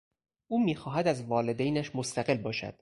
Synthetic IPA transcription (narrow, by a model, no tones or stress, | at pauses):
ʔuːmiːxɒːɦæd̪æzvɒːled̪ejnæʃmost̪æɢe̞lbɒːʃæ̰d̪̥